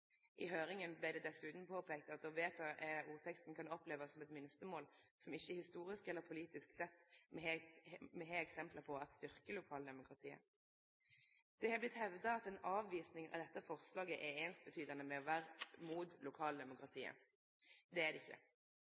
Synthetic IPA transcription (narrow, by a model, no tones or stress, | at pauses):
ʔɪɦøːɾɪŋənblɪʁd̪ɛd̪ɛsʉːt̪n̩pʰoːpʰeːkt̪ɑt̪̚d̪ɔʋeːt̪ʰɑʔɛuːʁt̪ʰɛkst̪n̩kʰɑnɔpleːʋəsɔmɛt̪mɪnst̪əmoːl | sɔmɪçːəhɪst̪uːʁɪskɛlːəʁpʰʊliːt̪ɪsksɛt̪ːmɛhɛmɛɦeːɛksɛmpləpʰɔɑt̪st̪ʏʁkəlʊkʰɑːld̪ɛmʊkʁɑt̪ʰiːə̰ | d̪̥ɛhɑblɪt̪hɛʋd̪ɑɑt̪ɛnɑːʋʋiːsnɪŋɑ̰ʋd̪ɛt̪ːəfɔʁslɑːɡəʔɛeːnst̪̚bət̪ʰyːd̪ɑnəmɛɔʋæːʁmuːt̪lʊkʰɑːld̪ɛmʊkʁɑt̪ʰiːə̰ | d̪ɛæd̪ɛɪçːə̰